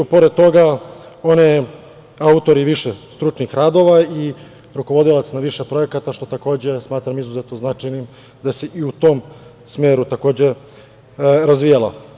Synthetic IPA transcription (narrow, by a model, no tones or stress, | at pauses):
upo̞ɾed̪̚t̪o̞ɡaone | aut̪o̞ɾiʋiʃest̪ɾut͡ʂnixɾaːd̪o̞ʋai | ɾuko̞ʋo̞d̪ilat̪snaʋiʃepɾo̞e̞kat̪aʃt̪o̞t̪ako̞ːd͡ʑe̞smaːt̪ɾamizuzet̪noznat͡ʂajnim | d̪aseʔiut̪o̞m | smeːɾut̪ako̞ːd͡ʑe | ɾazʋijalo̰